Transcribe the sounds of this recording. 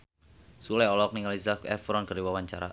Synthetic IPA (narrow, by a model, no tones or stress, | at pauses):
sulajɔlɔk̚niŋalisakɛfɾɔnkərdiwawaɲt͡ʃaɾa̰